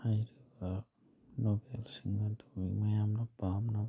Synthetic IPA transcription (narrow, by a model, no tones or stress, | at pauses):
hajɾɯba | nɔbɛlsiŋadɔimajamnabamna